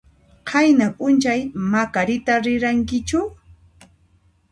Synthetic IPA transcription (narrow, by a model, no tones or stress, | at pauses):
qʰɑjnapʼʊnt͡ʃajmakaɾɪt̪aɾɪɾaŋkɪt͡ʃʊ